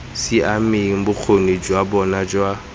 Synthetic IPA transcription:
sɪʔamɪŋ̩bʊk͡xʰonid͡ʒwabɔnad͡ʒwa

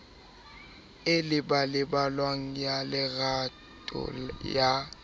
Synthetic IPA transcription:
ɪlɪbalɪbalwaŋ̩jalɪɣa | tʼʊ̰ja

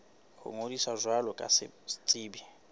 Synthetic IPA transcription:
hʊ̰ŋodisazwalɔkʼa̰sɪ̰st͡sʼiːbi

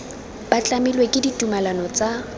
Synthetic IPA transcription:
b̥at͡ɬʼamilwekʼɪditʼumalanɔt͡sʼa

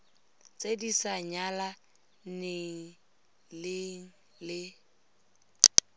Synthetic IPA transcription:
t͡sʼedisaɲala | neŋ̩ | lɪŋ̩ | lɪ

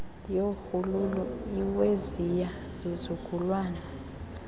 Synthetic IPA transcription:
joxululuiwezija | z̥izuɡ̥ʱulwaːna

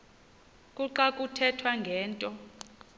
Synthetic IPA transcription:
kʼuǃakʼutʰɛtʰwaŋɡʱɛːntʼɔ

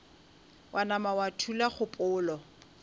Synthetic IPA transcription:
wʔanamawatʰulaχʊpʼʊːlɔ

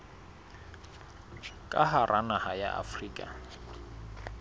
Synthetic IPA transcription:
kʼaɦarʔanahaja̰ʔa̰friːkʼa̰

